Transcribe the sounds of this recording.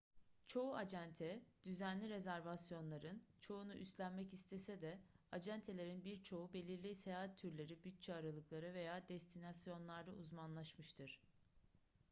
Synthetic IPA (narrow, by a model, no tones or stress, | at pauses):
t͡ʃʰo̞uad͡ʒænt̪ʰɛd̪̥yzænlʲiɾe̞zæɾvasjo̞nlˠaɾɯnt͡ʃʰo̞unuʔyst̪lʲænmɛcist̪ʰe̞sɛd̪ɛad͡ʒænt̪ʰelʲe̞ɾinbiɾt͡ʃʰo̞ube̞lʲiɾlʲisejaːɦat̪ʰːyɾlʲe̞ɾibyt̪̚t͡ʃʰɛaɾalˠɯklˠaɾɯve̞jaːd̪ɛst̪ʰinasjo̞nlˠaɾd̪auzmanlˠaʃmɯʃt̪ʰɯɾ̥